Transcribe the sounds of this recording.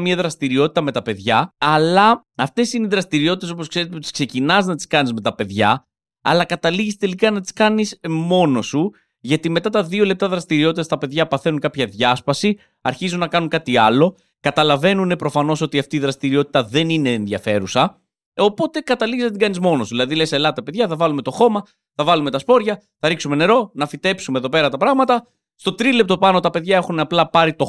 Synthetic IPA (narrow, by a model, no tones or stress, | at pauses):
miɐðɾɐst̪iɾio̞t̪it̪ɐme̞t̪ɐpe̞ðʝɐɐlɐ | ɐft̪e̞sineiðɾɐst̪iɾio̞t̪it̪eo̞po̞skse̞ɾet̪eut̪i̥kse̞cinɐznɐt̪i̥skɐnizme̞t̪ɐpe̞ðʝɐ | ɐ̰lɐkɐt̪ɐliʝist̪e̞likɐnɐt̪i̥skɐnismo̞no̞su | ʝɐt̪ime̞t̪ɐt̪ɐðio̞le̞p̚t̪ɐðɾɐst̪iɾio̞t̪it̪ɐst̪ɐpe̞ðʝɐpɐθe̞nuŋkɐpçɐðʝɐspɐsi | ɐɾçizunːɐkɐnuŋkɐt̪iɐlo̞ | kɐt̪ɐlɐve̞nune̞pɾo̞fɐno̞so̞t̪iɐft̪iːðɾɐst̪iɾio̞t̪i̥t̪ɐðe̞nine̞ːnðjɐfe̞ɾusɐ | o̞po̞t̪e̞kɐt̪ɐliʝiszɐt̪iɡɐnizmo̞nosuðilɐðileselɐt̪ɐpe̞ðʝɐθɐvɐlume̞t̪o̞xo̞mɐ | θɐvɐlume̞t̪ɐspo̞ɾʝɐ | θɐɾiksume̞ne̞ɾo̞nɐfit̪e̞psumeðo̞pe̞ɾɐt̪ɐpɾɐɣmɐt̪ɐ | st̪o̞t̪ɾile̞pt̪o̞pɐno̞t̪ɐpe̞ðʝɐe̞xunɐplɐpɐɾit̪o̞